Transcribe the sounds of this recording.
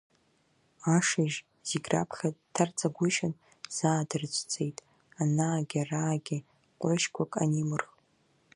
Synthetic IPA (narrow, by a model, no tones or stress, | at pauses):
aʂiʒ | z̥iɡʲra̰pʰχʲadtʰːart͡sʰʼaɡʷʊʃan | z̥aːdɨrt͡ʃʷʰʼt͡sʼejtʼ | anaːɡʲaraːɡʲɪ | qʷʼʊʃkʷʰakʼa̰nimɨrχ